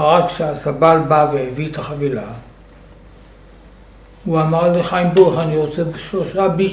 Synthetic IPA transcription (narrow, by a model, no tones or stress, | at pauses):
aʁakʃeasabalbavehevit̪aχavila | uamaʁleχajimboʁeχaniʁot͡sebʃloʃabi